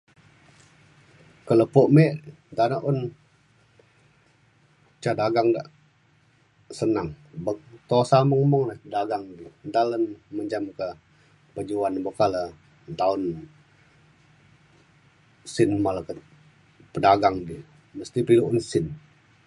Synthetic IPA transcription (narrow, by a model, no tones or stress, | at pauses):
kələpoʔmeʔ | d̪anəʔun | t͡ʃadaɡaŋda̰ʔ | sənaŋ | bəŋt̪osaməŋməŋnadaɡaŋdid̪alənməɲd͡ʒamkə | pəd͡ʒuanbəkalə | t̪aʊn | sɪnmaləkət̪ | pədaɡaŋdi | məst̪ipiluʔunsɪn